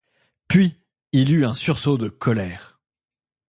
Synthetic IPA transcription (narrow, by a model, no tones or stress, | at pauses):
pɥi | ilyɛ̃syʁsod̪əkʰɔlɛːʁ